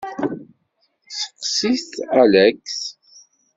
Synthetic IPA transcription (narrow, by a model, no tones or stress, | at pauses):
sə̥qːsiθælæks